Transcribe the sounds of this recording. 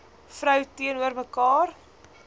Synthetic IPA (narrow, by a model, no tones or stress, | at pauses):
fɾœwtiənuərməkɑːr